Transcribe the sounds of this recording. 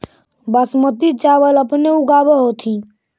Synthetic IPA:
bəsmət̪it͡ʃaːʋələpneʊɡaːbəɦot̪ʰĩ

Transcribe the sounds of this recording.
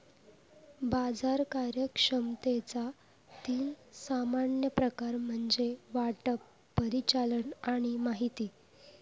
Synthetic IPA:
bad͡zaɾkaɾjəkʂəmt̪et͡sa | t̪iːnsamaɳjəpɾəkaɾm̤əɳd͡zeʋaʈəpː | əɾit͡ɕaləɳaɽ̃imaɦit̪iː

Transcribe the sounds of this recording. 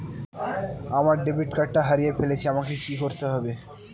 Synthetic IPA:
amaɾɖebiʈkaʈːaɦaɾijefʰelet͡ɕʰiamakekikoɾt̪eɦɔbe

